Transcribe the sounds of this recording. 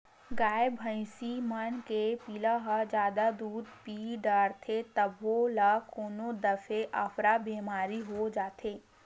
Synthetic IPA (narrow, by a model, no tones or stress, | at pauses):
ɡaːbɦə̃ɪ̃simənkepiːlaɦɐd͡ʒjaːd̪ad̪uːd̪piːɖaːɽt̪ʰet̪ɐbʋolakoːnod̪ɐfʰeʔafɾabeːmaːɾiɦod͡ʒaːt̪ʰeː